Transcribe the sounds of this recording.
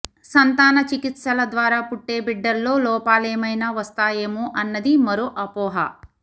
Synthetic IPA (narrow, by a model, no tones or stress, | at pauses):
sɐnt̪aːnɐt͡ʃikit̪sɐlɐd̪ʋaːɾaːpuʈːe̞ːbiɖːɐlːo̞ːlɔːpaːleːmɐjnaːʋɐst̪aːjeːmuʔɐnːɐd̪imɐɾoːʔɐpɔːɦɐ̰